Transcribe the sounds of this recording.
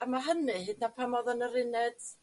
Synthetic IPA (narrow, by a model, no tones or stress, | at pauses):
amaɦənɨhɨdnapʰamɔðɔnəɾɪnɛd̥